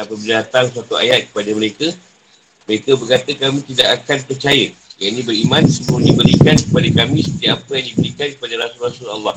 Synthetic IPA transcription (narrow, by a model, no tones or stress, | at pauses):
dapəbərdat̪aŋsuat̪ua̰jat̪̚kə̥padəməɾekə | məɾekəbərkat̪əkamĩt̪idakakanpərt͡ʃajəjainĩbəɾimãnsəbunibəɾikankəpadakamĩsət̪iaʔapəjaŋdibəɾikankəpadaɾasulrasula̰lːɑh